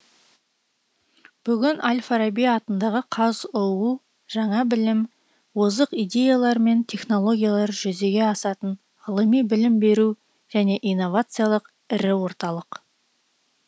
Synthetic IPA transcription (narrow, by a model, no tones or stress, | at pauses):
b̥ʏɡʲɪnʔalʲfaɾabijɑt̪ənd̪ɑʁəqʰɑzʊwu | ʒ̥ɑɴɑbɪlɪm | wozəqijd̪ʲe̞jalˠɑɾme̞nt̪ʲʰe̞χno̞lˠo̞ɡʲijalˠɑɾʒʏze̞ɡʲe̞ɑsɑt̪ən | ʁəlˠəmijbɪlɪmbe̞ɾu | ʒ̥æne̞ʔijnːo̞vat̪sɨjalˠəq | ɪɾɪwo̞ɾt̪ɑlˠəq